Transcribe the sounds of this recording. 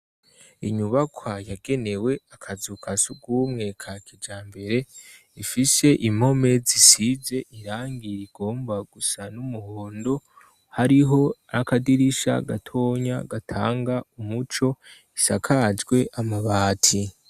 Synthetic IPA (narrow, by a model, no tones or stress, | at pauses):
iɲuβakwajaɡe̞ne̞we̞akʰazukʰasuɡuːmŋe̞kʰakʰid͡ʒaːmbe̞ɾe̞ | ifise̞ʔim̥ho̞me̞zisize̞ʔiɾaːŋɡiɾiɡ̥o̞ːmbaɡ̥usanumuhoːndo̞ | haɾiɦo̞akadiɾiʃa̰ɡa̰tʰo̞ːɲa̰ɡatʰa̰ːŋɡaumut͡ʃo̞ | isakʰad͡ʒɡwe̞ʔamaβaːtʰi